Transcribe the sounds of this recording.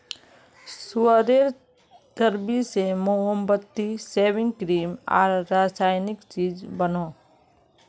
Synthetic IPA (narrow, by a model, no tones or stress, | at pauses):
suəd̪eːɾ | d̪əɾbisemoɦəmbət̪ːiseːwɪ̃ŋɡkɾiːmɔ̰ːɾːaːsaːjnɪkt͡ʃiːd͡ʒbənoː